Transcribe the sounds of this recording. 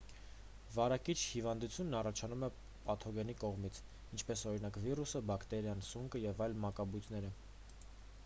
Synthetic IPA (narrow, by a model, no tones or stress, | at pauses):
vɑɾɑkit͡ʃʰhivɑnd̪ut͡sʰjunːɑrɑt͡ʃʰɑnumɛ | pɑt̪ʰɔɡɛnikɔʁmit͡sʰ | int͡ʃʰpɛsɔɾin̪ɑkvirusəbɑkʰt̪ɛɾjɑnsuŋkəjɛvɑjlmɑkɑbujt̪ʰnɛɾə